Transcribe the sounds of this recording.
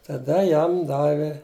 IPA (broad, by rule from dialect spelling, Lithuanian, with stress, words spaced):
tɐˈdɐ ˈjɛm ˈdɑːʋʲɪ